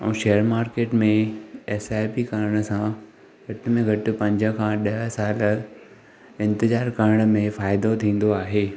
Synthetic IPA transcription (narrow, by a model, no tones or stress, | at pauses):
ɛ̰̃ːʃejəɾmaːɾkeːʈmẽeːsaːjpikaɾɽ̃ə̆sã | ɡʱɐʈɪ̆mẽɡʱɐʈɪ̆pɐ̃ɲd͡ʑə̃̆kʰãɗɐɦəsaːl | ɪ̃nt̪ɪzaːɾkəɾɪɽ̃ə̆mẽfaːɪd̪ot̪ʰĩːn̆d̪oaːɦeː